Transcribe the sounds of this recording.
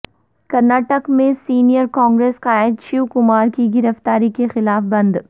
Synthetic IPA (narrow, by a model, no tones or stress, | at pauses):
kɐɾnaːʈəkmẽsiːnijəɾkɔ̃ːŋɡɾeːsqaːɪd̪ʃiukʊmaːɾkiɡɪɾəft̪aːɾikexɪlaːfbɐ̃nd̪